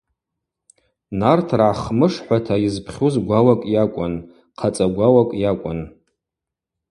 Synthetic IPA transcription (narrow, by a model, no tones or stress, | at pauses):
nartʰraːχmɨʂħʷatʰajizpʰχʲuzɡʷawakʼjakʷʼʊn | qʰat͡sʼaɡʷawakʼjakʷʼʊ̰n